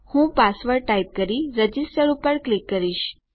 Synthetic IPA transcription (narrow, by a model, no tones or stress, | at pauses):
hũːpasʋəɾʈajp̚kəɾiɾəd͡ʑisʈəɾupəɾklikːəɾiɕ